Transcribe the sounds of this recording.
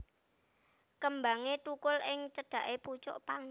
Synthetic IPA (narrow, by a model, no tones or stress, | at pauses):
kəmbaŋet̪ukʊlʔɪŋt͡ʃəɖ̥ä̤ʔeput͡ʃɔ̰ʔpaŋ